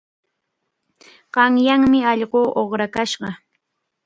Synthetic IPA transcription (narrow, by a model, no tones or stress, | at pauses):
ɢ̥ɑŋjaŋmɪɑʎɢoːʔoχɾakaʃɢɑ